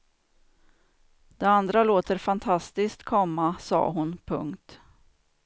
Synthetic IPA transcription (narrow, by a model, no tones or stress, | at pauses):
d̪̥ɛand̪ɾaloːt̪əɾfant̪ʰast̪ɪskt̪kʰɔmːasɑ̰ːɦʊnpʰɵ̰ŋkt̪